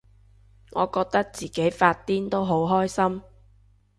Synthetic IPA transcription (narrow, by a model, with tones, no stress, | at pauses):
ŋɔː˨˧kɔː˧k̚t̪ɐ˥k̚t͡siː˨ke˨˥jfaː˧t̚t̪iː˥nt̪o˥wɦo˨˥wɦɔː˥jsɐ˥m